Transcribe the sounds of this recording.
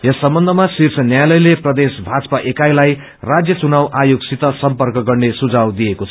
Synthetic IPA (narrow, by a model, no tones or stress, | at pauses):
jʌsːʌmbʌnd̪ʱʌmasirt͡sʰʌnjajlʌjleprʌd̪esbʱad͡zʌpaʔekajlaj | rad͡zjʌt͡sunawʔajoɡsit̪ʌsʌmpʌrkʌɡʌrnesud͡zawd̪ijekot͡sʰʌ